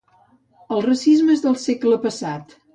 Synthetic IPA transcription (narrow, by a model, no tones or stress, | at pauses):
əlˠrəsizməezðəlˠsekləpəsat̪